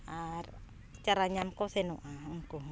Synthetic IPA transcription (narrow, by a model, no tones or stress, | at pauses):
ar | t͡ʃaɾaɲamkɔsenuʔaŋku